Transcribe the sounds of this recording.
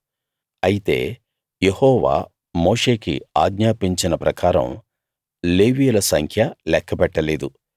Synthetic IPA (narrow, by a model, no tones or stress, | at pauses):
ɐjit̪e̞̰ː | je̞hɔːʋa̰ː | mo̞ːʂe̞ːkḭaːɡɲaːpiɲt͡ʃinɐpɾɐkaːɾɐ̰m | le̞ːʋiːjulɐsɐŋkʰjɐlɛkʰːɐpɛʈːɐle̞ːd̪u